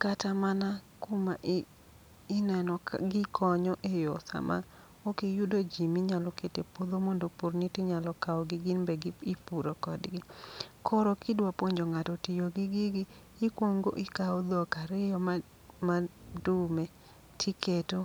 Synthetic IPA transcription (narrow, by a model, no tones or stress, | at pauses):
katamana | komaʔː | nɛnɔɡɪkʰɔɲɔʔejɔsa̰ma̰ | okejudod͡ʒimiɲalɔketepod̪omondopoɾnitɪɲalɔkaɔɡɪɡɪnbɛɡipuɾokɔdɡɪkʰɔɾɔkɪdwapoɲd͡ʒoŋatɔtɪjoɡɪɡɪɡɪː | kwoŋɡo̰ʔɪkaod̪ɔkaɾɪjɔma | madumɛ | tʰiketo